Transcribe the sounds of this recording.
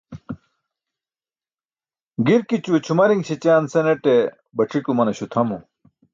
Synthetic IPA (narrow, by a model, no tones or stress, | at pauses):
ɡiɾkit͡ɕuet͡ɕʰumɐɾiŋɡɕit͡ɕaːnseneʈe | bɐʈ͡ʂʰikumɐnɐɕut̪ʰɐmu